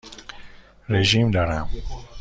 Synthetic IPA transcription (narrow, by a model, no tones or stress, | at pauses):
ɾeʒimd̪aɾam